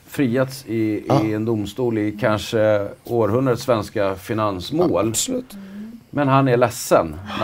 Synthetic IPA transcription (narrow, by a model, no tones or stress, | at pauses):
fɾiːet̪sɪɛnd̪ʊmst̪uːlɪkʰanʂəoːɾɦɵnd̪ɾaət̪svɛnskafɪnansmoːl | mɛnɦanæɭɛsːən